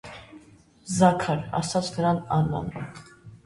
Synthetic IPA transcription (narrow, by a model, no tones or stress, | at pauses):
zɑkʰaɾɑ̰sat͡sʰnəɾɑnɑnɔ̰n